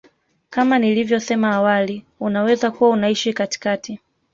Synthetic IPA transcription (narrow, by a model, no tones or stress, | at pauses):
kamanilivjɔsɛmaːwali | unawɛzakuwaunaiʃikati̥kati